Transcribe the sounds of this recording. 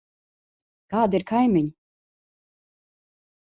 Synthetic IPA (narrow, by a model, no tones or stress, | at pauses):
kaːd̪iɾkʰajmʲiɲʲ